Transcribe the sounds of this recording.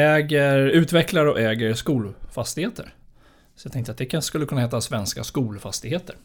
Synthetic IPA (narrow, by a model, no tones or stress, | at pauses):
ɛːɡəɾʉ̟ːt̪vɛklaɾɔʔɛːɡəɾskuːlfast̪ɪɡheːt̪ʰə̰ɾ | sɔ̥jat̪ʰɛŋkt̪at̪d̪ɛkʰaʂə̥skɵlːəkʰɵnːaeːt̪asvɛnska̰skuːlfast̪ɪɡheːt̪əɾ